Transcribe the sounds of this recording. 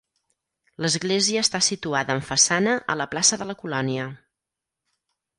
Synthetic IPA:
ləzɣleziəːst̪asit̪uaðəːɱfəsanəʔə̰ləplasəðələkulɔniə

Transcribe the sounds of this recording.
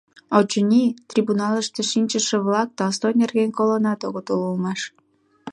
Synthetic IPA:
ot͡ɕənʲit̪rʲibunɑləʃt̪eʃinʲt͡ɕəʃĕβlɑk̚t̪ɑst̪onerɣenʲkolənɑt̪oɣot̪ululmɑʃ

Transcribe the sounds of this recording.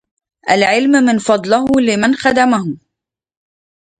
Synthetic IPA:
ʔalʕɪlmmɪnfɑd̪ˤlɪhʊlɪmanxad̪amahʊ

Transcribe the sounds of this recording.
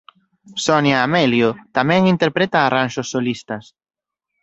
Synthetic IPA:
sonjaːmɛljot̪amɛ̃ŋint̪eɾpɾet̪aːranʃosːolist̪ɐs

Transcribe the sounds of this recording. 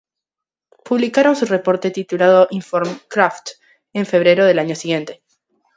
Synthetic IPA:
puβlikaɾo̞nsure̞po̞ɾt̪e̞t̪it̪ulað̞o̞ʔiɱfoɾmkɾaft̪ | e̞ɱfe̞β̞ɾe̞ɾo̞ð̞e̞laɲo̞siɣje̞nt̪e̞̥

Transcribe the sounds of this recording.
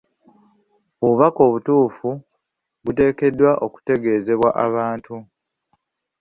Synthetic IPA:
oβuβako̞ːβutuːfu | βute̞ːke̞dːwaʔo̞ku̥te̞ɡe̞ːze̞βwaʔaβaːntʰu

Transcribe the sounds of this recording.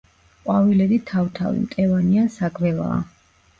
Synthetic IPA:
qʼwavilɛɾit̪ʰaft̪ʰa̰vḭmt̪ʼɛvaniansaɡvɛlˠa̰ː

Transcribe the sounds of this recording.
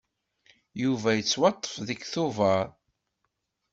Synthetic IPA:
juvæjət͡sːwɑt̪ˤːə̥fðəkθʊvɑɾ

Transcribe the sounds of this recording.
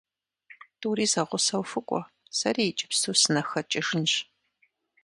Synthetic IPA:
tʰʼuːriːzɐʁʷʊsɐwfɨkʷʼɔ̰ | sɐriːɪt͡ʃʼɪ̥psuːsɨnɐxɐt͡ʃʼɪʒɪnʒ

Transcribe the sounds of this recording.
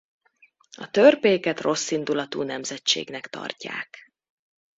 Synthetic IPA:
ɒt̪ørpeːkɛt̪ro̞sːind̪ulɒt̪uːnɛmzɛt͡ʃḛːɡnɛkt̪ɒ̰rca̰ːk

